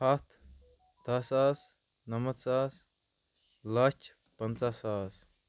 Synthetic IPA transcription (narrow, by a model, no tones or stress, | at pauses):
ɐt̪ʰ | d̪ɐsaːs | nɐmɐt̪saːs | lɐt͡ʃ | pɐnt͡sasaːs